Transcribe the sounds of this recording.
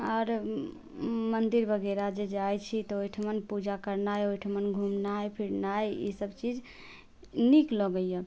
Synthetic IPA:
ɔɾ | mənd̪iɾbʱəɡeɾad͡ʒed͡ʒajt͡ʃʰit̪ɔojʈʰmənpud͡ʒakəɾnajojʈʰmənɡʱumnajpʰiɽnajḭsəbt͡ʃid͡ʒ | niklɔɡəjjɔ

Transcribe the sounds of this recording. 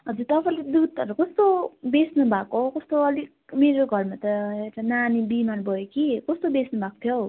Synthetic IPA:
ɦʌd͡zuɾt̪ʌpãĩled̪ud̪̚ʌɾukʌst̪obesnubʱakokʌst̪oʌlikmeɾoɡʱʌrmat̪ʌewʈananibimanbʱʌjokikʌst̪obesnubʱakot̪ʰjow

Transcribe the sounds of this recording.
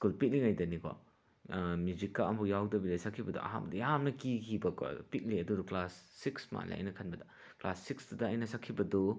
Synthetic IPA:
skulpit̚liŋajdɐnikʰɔ̰ | mjud͡ʒikːaɐmujawdɐbidasakʰːibɐdṵʔɐ̰ɦa̰bɐdujamnɐkikʰibɐkɔ̰pit̚liɐduduklasːiksma̰lḭɐ̰jnɐkʰɐnbɐdɐ | kla̰sːiksdudɐːjnɐsakʰːibɐdu

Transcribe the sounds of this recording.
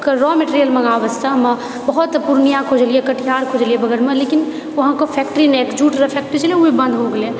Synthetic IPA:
kəɾɔmeʈɾijəlməŋaʋəst̪ʰam | bəɦut̪puɾnijãkʰod͡ʒəliɛkəʈʰijaɾkʰod͡ʒəlijebəɡəɾmelekin | ʋɐɦãkopʰɛk̚ʈəɾinekd͡ʒuʈɾəpʰɛk̚ʈəɾit͡ʃʰəlieuibə̃nd̪ʱɦoɡele

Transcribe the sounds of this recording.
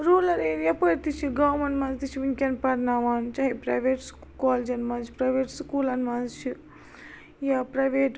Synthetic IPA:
ɾuːlɐɾeːɾjapəɾt̪it͡ʃʰiɡaːmɐnmɐnzt̪it͡ʃʰiʋinkʲɐnpɐɾnaːʋaːnt͡ʃɐɦipɾɐjʋeːʈskaːld͡ʒɐnmɐnt͡ʃʰi̥pɾɐjʋeːʈskuːlɐnmɐnzt͡ʃʰi | japɾɐjʋeːʈ

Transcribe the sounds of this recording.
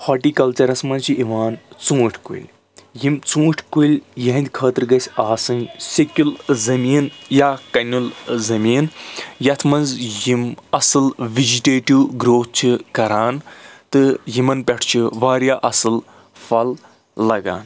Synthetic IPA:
hɐʈiːkɐlt͡ʃɐɾɐsmɐnt͡ʃʰiʔiʋaːnt͡sũːʈʰʲkṵlʲ | jimt͡sũːʈʰʲkulʲjɐɦɐnd̪ʲkʰəːt̪ɨɾɡɐsʲaːsɨnsekʲulzɐmiːnjaːkɐnʲulzɐmiːnjɐt̪ʰmɐnzjimɐsɨlʋid͡ʒiʈeːʈiwɡɾoːt̪̚t͡ʃʰikɐɾaːnt̪ɨjimɐnpʲɐʈʰt͡ʃʰiʋaːɾjaːʔɐsɨl | fɐlː | ɐɡa̰ːn

